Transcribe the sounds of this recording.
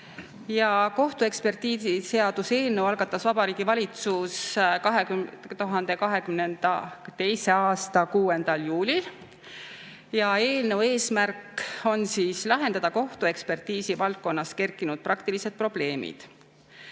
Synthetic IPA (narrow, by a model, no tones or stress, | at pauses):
jɑko̞ht̪ue̞kspe̞rt̪iːsise̞ɑd̪̥use̞ːlnewɑlɡ̥ɑt̪ːˑɑsvɑb̥ɑɾiːɡ̥ivɑlʲit̪suskɑɦet̪uɦɑnd̪̥ekɑɦe̞kymnend̪̥ɑt̪e̞jse̞ɑːst̪ɑkuːe̞nd̪̥ɑljuːlʲil | jɑe̞ːlne̞we̞ːsmærkːˑo̞nsiːslɑɦe̞nd̪ɑd̪̥ɑko̞ht̪ue̞kspe̞rt̪iːsivɑlt̪̚ko̞nːɑske̞rkːˑinud̪̥̚prɑkt̪ilise̞d̪̥̚pro̞b̥le̞ːmḭd̪̥